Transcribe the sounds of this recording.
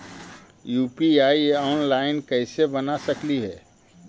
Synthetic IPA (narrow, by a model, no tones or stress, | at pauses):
juːpiaːieɔːnlaɪnkəɪsebənasəkliɦɛ̰ː